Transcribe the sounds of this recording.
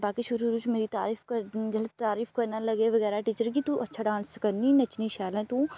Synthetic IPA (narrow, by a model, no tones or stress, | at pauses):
baːkiʃʊɾuɾuːt͡ʃmeːɾit̪a̰ːɾiːfkəɾd͡ʒɐlt̪aːɾiːfkɐɾnalɐɡeʋɐɣɛːɾaʈiːt͡ʃəɾk̬it̪ũʔɐtːʃʰaɖãːnskənĩnɐt͡ʃnĩʃaːlɛ̃ːt̪ũ